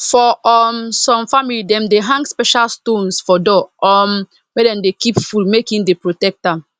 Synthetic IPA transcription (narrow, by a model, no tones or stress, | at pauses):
fɔɔmsɔ̃mfamilidɛ̃mdeɦãŋɡspɛʃalstõnsfɔdɔɔm | wɛdɛ̃mdekipfulmekĩndepɹotɛk̚ta